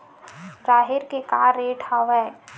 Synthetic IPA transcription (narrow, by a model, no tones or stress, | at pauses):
ɾaːɦɪɾkekaːɾːeːʈʰaʋɛː